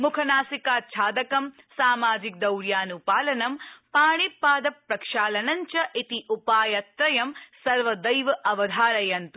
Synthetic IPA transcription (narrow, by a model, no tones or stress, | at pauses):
mukʰɐnaːsikaːt͡ʃʰaːd̪ɐkɐm | saːmaːd͡ʒik̚d̪ɐwɾjaːnupaːlɐnɐmpaːɳipːaːd̪ɐpɾɐkʂaːlɐnɐɲt͡ʃɐʔit̪iʔupaːjɐt̪ɾɐjɐmsɐɾʋɐd̪ɐjʋɐʔɐʋɐd̪ʱaːɾɐjɐnt̪u